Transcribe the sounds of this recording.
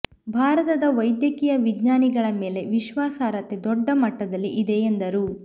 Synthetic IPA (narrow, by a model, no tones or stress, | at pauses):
bʱaːɾɐt̪ɐd̪ɐʋɐjd̪jɐkiːjɐʋid̪ɲaːniɡɐɭɐme̞ːle̞ʋiʃʋaːsaːɾɐt̪ːed̪ɔɖːɐmɐʈːɐd̪ɐlːiʔid̪eend̪ɐɾu